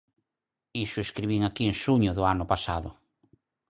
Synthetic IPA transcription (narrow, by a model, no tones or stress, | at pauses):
isʊeskɾiβiŋakieŋʃuɲʊðʊanʊpasaðʊ̰